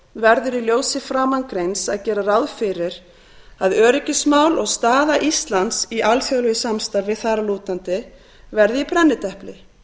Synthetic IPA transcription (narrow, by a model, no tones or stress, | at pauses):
vɛɾðʏɾiljoːwsɪfɾaːmankɾejnsaðcɛːɾarawðfɪɾɪɾ | aðœːɾɪcɪsmaːwlɔɣst̪aːðaʔist̪lant̪siʔalfjœɣlʏjɪsamst̪aɾvɪðθaːɾaluːt̪ant̪ɪ | vɛɾðɪipɾɛnːɪt̪ɛhplɪ